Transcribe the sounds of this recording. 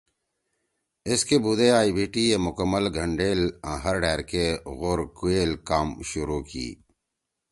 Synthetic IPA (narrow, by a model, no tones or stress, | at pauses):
ɪskebuːd̪eaːibʱiːʈiemʊkəmːəlɡʱəɳɖeːlãːɦɐɾɖɛːɾkeɣoɾkueːlkaːmʃʊɾukḭː